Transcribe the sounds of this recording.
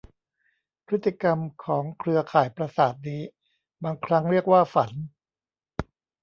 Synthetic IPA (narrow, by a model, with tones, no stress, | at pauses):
pʰɾɯ˦˥t̪ːi˧ka˧mkʰɔː˩˦ŋkʰɾɯ˧ɐkʰaː˨˩jpɾa˧saː˨˩t̪̚niː˦˥ | baː˧ŋkʰɾa˦˥ŋɾi˥˩ək̚waː˥˩fa˩˦n